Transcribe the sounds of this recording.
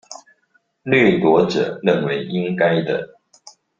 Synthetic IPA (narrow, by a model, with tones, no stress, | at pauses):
lɛ˥˩t̪wɔ˧˥ʈ͡ʂɤ̰˨˩ɻə˥˩nwe˧˥ɪʔi˦ŋka˥ɪd̪ə̰˨